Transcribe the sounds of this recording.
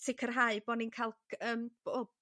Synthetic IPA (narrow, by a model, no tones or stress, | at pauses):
sʰɪkʰərɦaɨbɔninkʰajlˠəːmb̥oːb̚